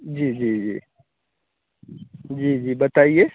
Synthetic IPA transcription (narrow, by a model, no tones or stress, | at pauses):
d͡ʒiːd͡ʒiːd͡ʒḭː | d͡ʒiːd͡ʒiːbɐt̪aːie